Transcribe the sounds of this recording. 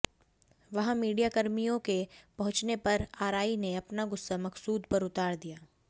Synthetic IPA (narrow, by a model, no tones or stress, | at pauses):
ʋɐɦãmiːɖijakɐɾmijõkepɐɦʊ̃t͡ʃnepɐɾaːɾaːineɐpnaɡʊsːamɐqsuːd̪pɐɾʊt̪aːɾd̪ijaː